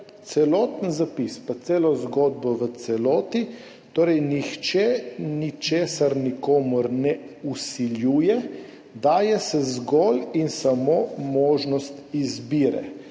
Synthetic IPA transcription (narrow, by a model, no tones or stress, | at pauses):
t̪sɛlɔːt̪ənzapispat̪seːlɔzɡod̪̚bɔʋət̪sɛlɔːt̪i | t̪oːɾɛjnixt͡ʃɛnit͡ʃeːsaɾnikoːmuɾnɛusiljuːjɛ | d̪aːjɛsɛzɡɔlinsamoːmoːʒnɔst̪izbiːɾɛ̰